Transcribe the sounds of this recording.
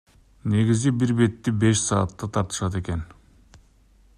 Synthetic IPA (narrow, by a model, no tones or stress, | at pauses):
ne̞ɡizibiɾbe̞t̪ːibe̞ʃsɑːt̪ːɑt̪ʰɑɾt̪ɯ̥ʃɑt̪e̞ke̞n